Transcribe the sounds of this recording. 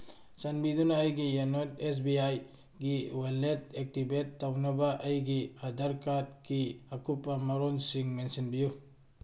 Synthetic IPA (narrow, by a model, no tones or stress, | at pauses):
sanbidunaːjɡijanotes̬biaj | ɡiwelːet̚ek̚tibetːawnɐbaʔɐjɡiad̪aɾkat̚kiakʰupːɐmaɾɔnsiŋmensinbiju